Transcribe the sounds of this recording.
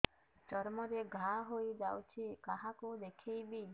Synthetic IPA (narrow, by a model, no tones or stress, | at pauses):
t͡ʃɔɾmɔɾeɡʱaɦojd͡ʒawt͡ʃʰikaɦakud̪ekʰejbi